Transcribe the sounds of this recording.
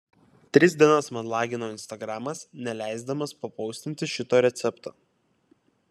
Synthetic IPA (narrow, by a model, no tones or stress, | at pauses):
t̪ʲɾʲɪzʲd̪ʲiɛnɐsmɐnlˠɑːɡʲɪnoːɪnʲst̪ɐɡɾɑmɐsnʲɛlʲæˑɪzd̪ɐmɐspɐpɒʊsʲt̪ʲɪnʲt̪ʲɪʃʲɪt̪oːɾʲɛt̪sʲɛpt̪oː